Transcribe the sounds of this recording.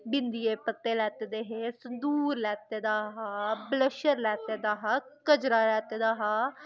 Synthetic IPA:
bɪnd̪ijeːpət̪ːeːlɛːt̪eːd̪eɦeːsənd̪uːɾlɛːt̪eːd̪aːɦaːbləʃəɾlɛːt̪eːd̪aːɦaːkəd͡ʒɾaːlɛːt̪eːd̪aːɦaː

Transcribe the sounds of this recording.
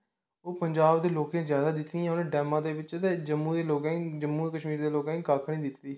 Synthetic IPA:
oːpəɲd͡ʒaːbd̪eːloːkẽːzjaːd̪aːd̪ɪt̪ĩãːʊnẽːɖɛːmãːd̪eːʋɪt͡ʃt̪eːd͡ʒəmːuːd̪eːloːkãd͡ʒəmːuːkəʃmiːɾd̪eːloːkãːĩkaːkʰɽ̃iːd̪ɪt̪d̪iː

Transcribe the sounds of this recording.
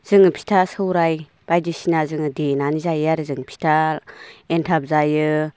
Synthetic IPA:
z̥ɯŋɯpʰi̥tʰasɯwɾaj | b̥ajdisinazɯŋɯdenanizajaɾɯzɯŋpʰi̥tʰa | entʰap̚zajɯ

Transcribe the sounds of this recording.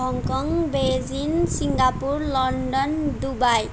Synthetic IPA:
ɦʌŋkʌŋbʱed͡zinsiŋɡapurlʌɳɖʌnd̪ubaj

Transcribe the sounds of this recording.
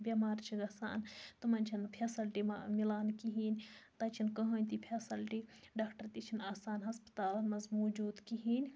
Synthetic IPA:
bʲɐmaːɾt͡ʃʰiɡɐsa̰ːnt̪umɐnʲt͡ʃʰinpʰesɐlʈimɐmilaːnkiɦiːnʲt̪ɐt͡ʃʰinkɐɦɐːnʲt̪ipʰeːsɐlʈiɖaːkʈɐɾt̪it͡ʃʰinaːsaːnɦɐspɐ̥t̪aːlmɐzmuːd͡ʒuːd̪kiɦiːnʲ

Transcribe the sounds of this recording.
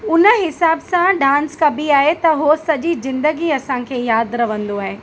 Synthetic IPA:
ʊnə̆ɦɪsaːbsãɖãːnskɐbiaːɦet̪ɐɦosɐʄizɪ̃nd̪əɡiɐsãkʰeːjaːd̪ɾɐʋə̃nd̪oaːɦeː

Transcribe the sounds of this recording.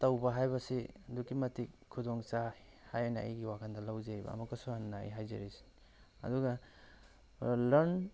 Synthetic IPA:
tɐwbɐɦajbɐsidukimɐtik̚ʰːudɔŋt͡ʃa | hajana̰iɡiwakʰandɐlawzeɾibɐ̰ːmɐkasuannːaḭɦajzḛɾisi̥ | ɐ̰duɡɐ | lɐɾn

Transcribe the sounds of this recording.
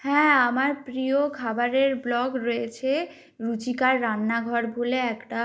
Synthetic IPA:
hɛ̃amaɾpɾiokʰabaɾeɾblɔɡɾojet͡ɕʰe | ɾut͡ɕikaɾːanːaɡʱɔɾbʱuleɛkʈa

